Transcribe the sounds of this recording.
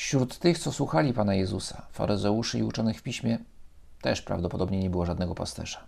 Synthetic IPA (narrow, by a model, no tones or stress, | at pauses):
fɕɾut̪ːɘxt̪sɔswuxalʲipanajɛzusafa̰ɾʔɘzɛuʂɘiut͡ʂɔnɘxfʲpʲiɕmʲjɛ | t̪ɛʂpɾa̰vd̪ɔpɔd̪ɔbɲɛɲɛbɘwɔʐad̪nɛɡɔpa̰st̪ɛ̰ʂḁ